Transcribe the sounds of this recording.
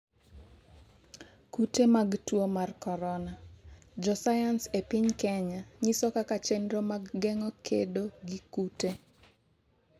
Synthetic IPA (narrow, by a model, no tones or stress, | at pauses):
kutemaɡtwomarkɔɾɔna | d͡ʒɔsajansepɪɲkɛɲaɲisɔkakat͡ʃenɾomaɡːɛŋɔkʰedoɡikute